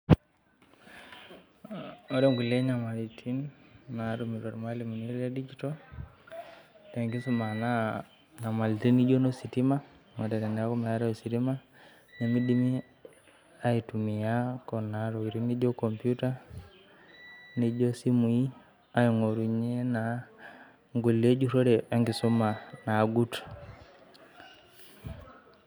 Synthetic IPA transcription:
o˦ɾe˦ŋɡu˨le˦ɲa˨ma˨litʰinnaɾumi˨ɾo˨ɾma˦limu˨ni˦ledi˦d͡ʒito | te˨ŋɡi˦suma˨na | ɲa˨ma˨liti˦ni˦d͡ʒo˦no˦siti˦ma˦ | ma˨tɛ˨ɾɛ˨n˨a˦ko˦ma˨ja˦ɾɔosiɾima | ne˨mi˦di˦mi˦ | a˦itumi˨jakɔ˨naɾo˨kiɾi˦ni˦d͡ʒo˦ko˨mpijuta˦ | ni˦d͡ʒo˦si˦mu˨i˦ | a˦i˨ŋo˨ɾu˨ɲe˦na | ŋɡu˨le˦d͡ʒu˦ɾo˦ɾea˦ŋɡi˨su˦ma˨na˨ɡu˦t

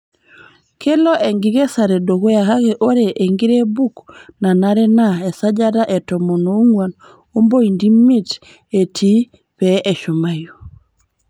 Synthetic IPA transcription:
kʰe˦lɔ˦ʔɛ˨ŋɡi˨˦ɣɛ˦sa˨ɾɛ˨do˨ɣo˦ja˨ka˦kɛ˨ʔo˦ɾɛ˨ʔe˨ŋɡi˦ɾɛ˦bu˦kna˨na˦ɾɛ˦na˦ɛ˨sa˦d͡ʒa˦ɾa˦ʔɛ˨tɔ˨mɔ˨no˨˦ŋwa˨n | o˦mbo˦i˨ndi˦mi˦t | e˨tʰi˦ | pɛʔɛ˨ʃo˨ma˨jo˨

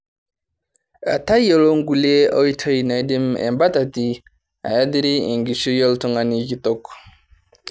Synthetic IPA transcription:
a̰˨ta˦jo˨lo˦ŋɡu˨le˦a˦wi˦tʰə˦jna˨˦di˦mɛ̰˨mba˦ta˨ti˦ | a̰˨ja˦di˦ɾi˦i˨ŋɡi˨su˦jɔ˦ltɔ˦ŋa˨ni˦ki˦tɔ˦k

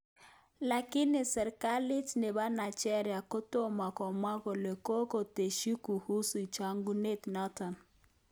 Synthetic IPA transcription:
la˨kɪ˦nɪ˨sɛ˨ɾka˦lɪ˦tne˨ba˦na˨t͡ʃɛ˦ɾja˨kɔ˦to˦ma˨kɔ˨mwa˦kɔ˨le˨ko˦ko˨te˨ʃi˦ku˨hu˦su˨t͡ʃa˨ŋɡu˦ne˦tnɔ˦tɔ˨n

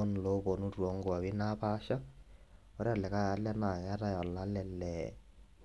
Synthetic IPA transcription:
ɔ˦n˨lo˦bɔ˨nu˦twɔ˨˦ŋɡoa˨βi˦na˦pa˦ʃa˦ | ɔ˦ɾe˦a˨lɛ˨ka˦ja˨˦lɛ˦na˨a˦ta˦jɔ˨lːa˦lɛ˨lːɛ˨

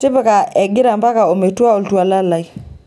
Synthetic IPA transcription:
tɪ˦pa˦ka˨ʔɛ˨ɡɪ˦ɾa˨mba˦ka˨o˨me˨twa˦o˨ltwa˨la˦la˨i

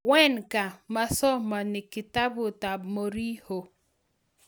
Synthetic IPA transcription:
wɛ˦˨nka˨ma˦sɔ˦ma˨nɪ˨kɪ˨ta˦bʊ˨ta˨bmo˨ɾi˦ho˨

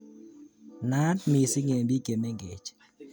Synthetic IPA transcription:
na˦tmɪ˨sɪ˦ŋe˨mbi˦ke˨me˦ŋɡḛ˨t͡ʃ

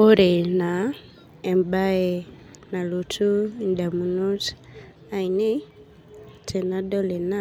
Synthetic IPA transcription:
o˦ɾe˨na˨ | e˨mba˦e˨ | na˨lu˨tʰu˦nda˨mu˨nu˦t | a˨i˨ne˦ | tʰe˨na˦do˦le˨na˦

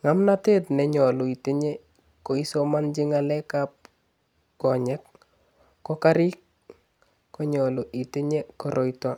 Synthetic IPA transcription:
ŋa˦mnate˦tnɛ˨ɲɔ˨lo˨i˨te˦ɲe˦ | ko˨i˦sɔ˦ma˦nd͡ʒi˦ŋalɛ˦kap̚ | kɔ˨ɲɛ˦k̚ː | ɔka˦ɾi˦k̚ː | ɔ˦ɲɔ˨lo˨ʔi˨te˦ɲe˦kɔ˨ɾʔɔ˦itɔ˦

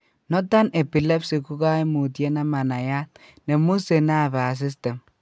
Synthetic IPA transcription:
no˦ta˦ne˨pi˨le˦psi˨ku˦ɡa˦i˦mu˨tje˦na˦ma˨na˨ja˦t | ne˨mu˦se˨na˦˨ba˨s̬i˦s̬te˨m

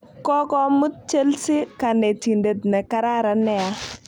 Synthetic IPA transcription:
kɔ˦kɔ˦mʊ˦t̚t͡ʃe˦lsɪ˦ka˨ne˨ti˨nde˨tnɛ˨ka˦ɾa˦ɾa˨nɛ˦a˦

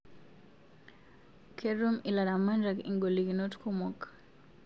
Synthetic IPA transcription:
kʰɛɾumi˨la˨ɾa˨manɾa˨kḭ˨ŋɡo˨li˨ki˨no˦tkʰɔmɔk

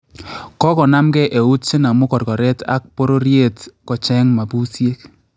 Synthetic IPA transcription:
kɔ˦kɔ˨na˦mkɛ˦ʔe˨u˦tsɪ˦na˨mu˦kɔ˨rkɔ˨ɾɛ˦ta̰˦k̚po˦ɾo˦ɾje˦tkɔ˨t͡ʃɛ˦ŋma˨pu˦sje˦k̚

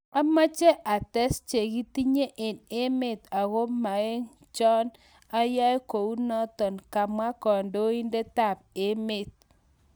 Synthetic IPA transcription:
a˦ma˦t͡ʃɛ˦ʔa˨tɛ˦st͡ʃe˨ɡi˦ti˦ɲe˦ʔe˨ne˦me˦˨t̪a˨ɣo˦ma˨e˦ŋ | t͡ʃɔ˦n | a˦ja˦ko˨u˦nɔ˦t̪ɔ˨nka˨ma˦kɔ˨ndo˦i˦nde˦ta˦˨pe˨me˨t̪̚

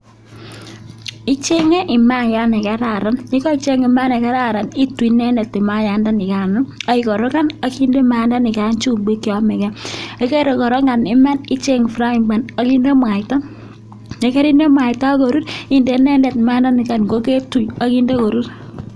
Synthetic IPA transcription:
ɪ˦t͡ʃe˦ŋe˦ʔɪ˨ma˦ŋja˦nɛ˨ka˦ɾa˨ɾa˦nɲi˦kɔ˦i˨t͡ʃe˦ŋi˨ma˦ne˨ka˦ɾa˦˨ɾa˨ni˦twi˨nɛ˦nɛ˨tːɪ˨ma˦ja˨nda˦nɪ˨ka˨nʊ˦a˦ɪ˨kɔ˨ɾɔ˦ka˦na˨˦ki˦nde˦ma˦nda˦nɪ˨ka˦nt͡ʃu˦ɡ͡be˦kjɔ˨˦mɛ˨kɛ˦e˨˦ke˦ɾe˨kɔ˨ɾɔ˦ŋɡa˨nɪ˦ma˦ni˦t͡ʃe˦ŋ˨fɾa˦i˨ŋɡ͡ba˨na˦ki˦nde˦ma˨ɪta˦ | je˨ke˦ɾi˦nde˦ma˨ɪ˨ta˦ko˨ɾu˦ti˦˨nde˨nɛ˦ndɛ˨tma˦nda˦nɪ˨ka˨nɡo˦ke˦tu˨ja˦ki˦nde˦ko˨ɾu˦t

